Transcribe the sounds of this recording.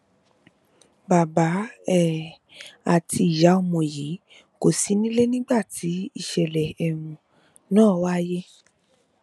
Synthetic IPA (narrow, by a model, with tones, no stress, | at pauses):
ba˨ba˨˦ɛ˦˨ | a˦˨tʰi˧˦i˨ja˨˦o˧˨mɔ̃˨ji˨˦ | ko˦˨si˨˦nĩ˦le˦nĩ˦ɡ͡ba˦˨tʰi˨˦i˦˨ʃɛ˨lɛ˨ɛ˨ɾũ˨ | nãː˦˨˦wa˦˧je˦